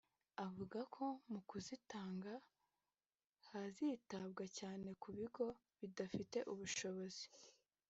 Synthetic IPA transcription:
avuɡakʰo̞mukuzitaːŋɡa | hazitabɡacaːne̞kuβiɡo̞ | βidafite̞ʔuβuʃo̞βo̞zi̥

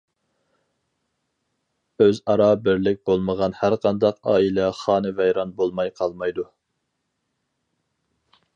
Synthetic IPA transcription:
øzɑɾɑbɪɾlɪk̚ʲbolˠməʁɑnhæɾqʰɑnd̪ɑqɑ̰ːilɛχɑːnɨvɛjɾɑnbolˠmɑjqʰɑlˠmɑjd̪u

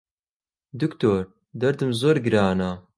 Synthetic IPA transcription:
d̪ukt̪ʰoːɾ | d̪ɐɾd̪ɨmzoːɾɡɨɾaːna

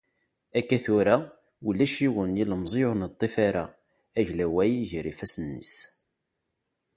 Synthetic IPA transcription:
ækːæθʊɾa | wəlːæʃiwənjiləmzˤionət̪ˤːifaɾa̰ | æʝlæwæjʝɾḭfæsənːḭs

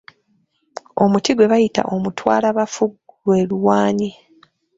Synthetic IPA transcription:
o̞mutiɡwe̞βajita̰ʔo̞mutwa̰ːlaβafuɡuwe̞luwaːɲi

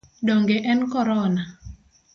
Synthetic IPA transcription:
dɔŋɡeʔɛnkɔɾɔna

